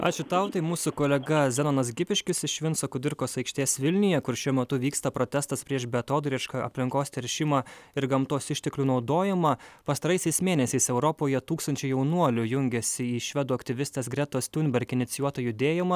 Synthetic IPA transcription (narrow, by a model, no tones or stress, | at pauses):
ɑ̰ːt͡ʃʲʊt̪ɐʊt̪ɐɪmuːsʊkoːlʲɛɡɐzʲɛnoːnɐs̬ɡʲɪpʲɪʃʲkʲɪsɪʃʲʋʲɪnsoːkʊd̪ʲɪɾkoːsɐɪkʃʲt̪ʲeːsʋʲɪlʲnʲɪjɛkʊɾʃʲuɔmʲɛt̪ʊʋʲiːkst̪ɐpɾoːt̪ʲæst̪ɐspʲɾʲiɛʃbʲɛt̪oːd̪ʊɾʲɪʃkɑʔɐ̰pʲlʲɪŋkoːst̪ʲɛɾʲʃʲɪmɐɪɾɡɐmt̪oːsɪʃʲt̪ʲɛklʲunɒʊd̪oːjɛmɐpɐst̪ɐɾɐɪsʲɛɪsmʲeːnʲɛsʲɛɪsɛʊɾɔpoːjɛt̪uːkst̪ɐnʲt͡ʃʲɛjɛʊnuɔlʲʊjʊŋʲɡʲɛsʲɪiːʃʲʋʲɛd̪ʊɐkt̪ʲɪʋʲɪst̪ʲeːsɡɾʲɛt̪oːst̪ʲʊnʲbʲɛɾʲkʲɪnʲɪt̪sʲɪjuɔt̪ɐjʊd̪ʲeːjɪmɐ